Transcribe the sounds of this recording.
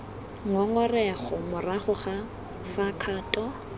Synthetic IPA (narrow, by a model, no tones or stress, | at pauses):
ŋɔŋɔrɛχɔmʊraχʊχa | fakʰaːtʼɔ